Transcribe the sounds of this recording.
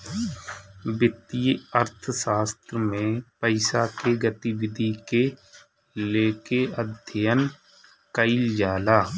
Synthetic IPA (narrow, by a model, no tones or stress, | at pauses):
bɪt̪ijəɾt̪ʰsaːst̪ɾəmẽpəɪsakeɡət̪iwɪd̪ʱike | leːkeəd̪ʱjən | kəɪld͡ʒaːlaː